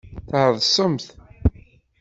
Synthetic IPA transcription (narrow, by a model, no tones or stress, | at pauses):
θʕəðˤsˤəmθ